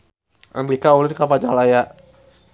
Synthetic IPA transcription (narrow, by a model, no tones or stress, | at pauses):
a̰mbikaulinkapad͡ʒalaja